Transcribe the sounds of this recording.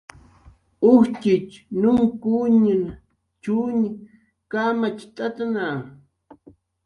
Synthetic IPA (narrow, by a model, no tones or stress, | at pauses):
ʊht͡ʃɪt͡ʃnʊŋkuɲin | t͡ʃuɲi | kamat͡ʃt̪ʼat̪ana